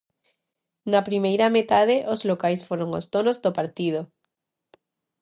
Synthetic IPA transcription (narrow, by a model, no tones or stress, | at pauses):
napɾimejɾamet̪að̞eʔozlokajsfoɾoŋo̰st̪onozðopaɾt̪iðo